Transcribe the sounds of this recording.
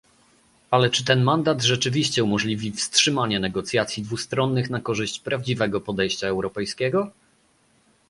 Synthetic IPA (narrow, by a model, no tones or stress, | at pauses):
alɛt͡ʂɘt̪ɛnmand̪at̪ʐɛt͡ʂɘvʲiɕt͡ɕɛumɔʐlʲivʲifstʂɘmaɲɛnɛɡɔt̪sʲjat̪sʲid̪vust̪ɾɔnːɘxnakɔʐɘɕt͡ɕpɾavd͡ʑivɛɡɔpɔd̪ɛjɕt͡ɕaɛwɾɔpɛjskʲɛɡɔ